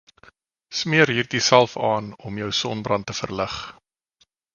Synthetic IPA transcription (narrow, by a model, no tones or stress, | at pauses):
smiəɾɦiːrdisælˠfɑːnɔmjœwsɔnbrɐntəfə̰rləχ